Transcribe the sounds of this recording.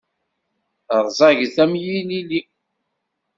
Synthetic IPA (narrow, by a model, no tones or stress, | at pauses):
ɾˤzˤɑʝθæmjilili